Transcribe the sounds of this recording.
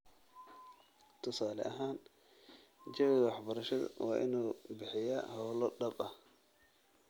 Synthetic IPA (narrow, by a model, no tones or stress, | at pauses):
t̪ʰʊsaːlɛ̰ʔɐɦaːn | t͡ʃɐwðwɑħbɐɾɐʃɐðwɑ̰ːʔɪ̰nuːbɪħɪjɐhɔwlɔɖɐbɐh